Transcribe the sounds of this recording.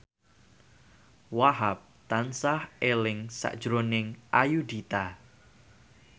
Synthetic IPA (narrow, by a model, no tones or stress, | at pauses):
waɦap̚t̪ansahelɪŋsa̰ʔd̥ʒ̥ɾonɪŋʔajud̪it̪a